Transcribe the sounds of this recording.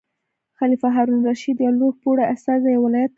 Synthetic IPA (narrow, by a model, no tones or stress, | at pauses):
xɑlifaɦɑɾunɾaʃid̪jɑloɡ̚poɽaast̪ɑzajawɪlɑjat̪̚ː